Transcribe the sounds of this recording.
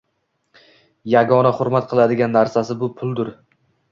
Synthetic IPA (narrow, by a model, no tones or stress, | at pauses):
jaɡɒnaχʊɾmat̪̚qʰɨlˠad̪ɪɡʲanːaɾsasɪbʊpʰʊlˠd̪ʊɾ